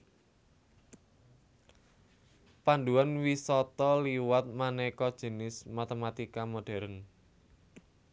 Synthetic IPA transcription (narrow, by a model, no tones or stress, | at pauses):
panduanwisɔt̪ɔliwat̪̚manɛkɔd̥ʒ̥ə̤nɪsmat̪emat̪ikamoɖ̥ɛ̤ɾən